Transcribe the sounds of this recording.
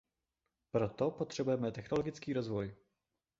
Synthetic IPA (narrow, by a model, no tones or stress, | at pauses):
pɾo̞t̪o̞po̞t̪r̝̥ɛbujɛmɛt̪ɛxno̞lo̞ɡɪt͡skiːɾo̞zvo̞j